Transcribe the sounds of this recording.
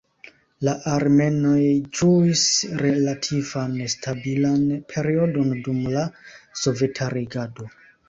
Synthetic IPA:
laʔaɾme̞no̞jd͡ʒuisɾelatʰivanstʰabilanpʰe̞ɾio̞do̞ndumlaso̞ve̞tʰaɾiɡado̞

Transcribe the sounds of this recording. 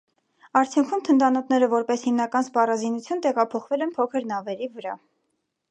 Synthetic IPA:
ɑɾt͡sʰjuŋkʰumt̪ʰənd̪ɑnɔt̪ʰnɛɾəvɔɾpɛshimnɑkɑnspɑrɑzinut͡sʰjunt̪ɛʁɑpʰɔχvɛlɛnpʰɔkʰəɾnɑvɛɾivəɾɑ

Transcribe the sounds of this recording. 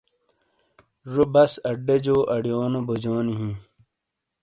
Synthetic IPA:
ʐobɐsɐɖːed͡ʑoːʔɐɽijoːnobod͡ʑoːniɦĩ

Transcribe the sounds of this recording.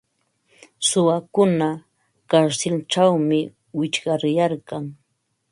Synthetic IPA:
sʊwakʊna | kaɾsɪlʈ͡ʂawmɪ | wɪt͡ʃɢɑɾjaɾɢɑŋ

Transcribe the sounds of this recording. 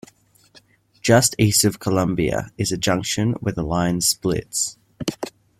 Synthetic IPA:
d̥ʒ̥ʌstiˑstəv̥kʰəlʌ̃mbiə̰ɪzəd͡ʒʌ̃ŋkʃə̃nwɪðəlãɪ̃n̥splɪ̰ts

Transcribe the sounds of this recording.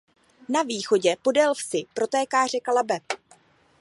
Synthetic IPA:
naviːxo̞ɟɛpo̞dɛlfsɪpɾo̞t̪ɛːkaːr̝ɛkalabɛ

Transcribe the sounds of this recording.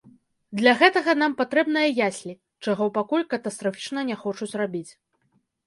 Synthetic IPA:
d̪lʲɐɣɛt̪ɐɣɐn̪ampat̪ɾɛbn̪ɐjɐjasʲlʲi | t͡ʂaɣɔpakulʲkɐt̪ɐst̪ɾafʲit͡ʂnɐnʲɛxɔt͡ʂut͡sʲrabʲit͡sʲ

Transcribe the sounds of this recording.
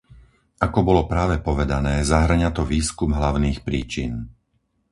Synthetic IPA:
ʔakɔbɔlɔpɾaːʋɛpɔʋɛd̪anɛːzaɦr̩ɲat̪ɔʋiːskumɦlaʊniːxpɾiːt͡ʃin

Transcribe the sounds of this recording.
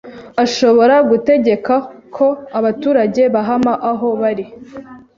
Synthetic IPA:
aʃo̞βo̞ɾaɡute̞ɟe̞kakʰo̞aβatuːɾaɟe̞βaɦamaʔaɦo̞βaɾi

